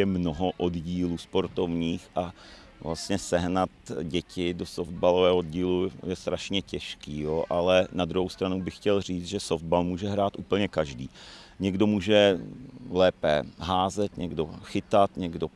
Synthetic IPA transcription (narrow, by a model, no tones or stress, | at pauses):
ɛmnoɦoʔodɟiːluːspo̞ɾt̪o̞vɲiːxʔa | vlast̪ɲɛsɛɦnat̪ɟɛcɪdosofd̪̚balovɛːɦood̪ɟiːlujɛst̪ɾaʃɲɛcɛʃkiːjoʔalɛnad̪ɾuɦowst̪ɾanubɪxcɛlr̝iːt͡s̪ʒɛsofd̪̚balmuːʒɛɦɾaːt̪ʔuːpl̩ɲɛkaʒdiːɲɛɡdo̞muːʒɛ | lɛːpɛɦaːzɛt̪ɲɛɡdo̞xɪt̪at̪ɲɛɡdo̞